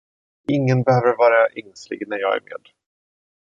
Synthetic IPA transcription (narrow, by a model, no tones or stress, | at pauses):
ɪŋːənbɛhøːvəɾvɑːɾaʔɛŋslɪ̰ɡnæɾjɑːɡæ̰ɾmḛːd̪̥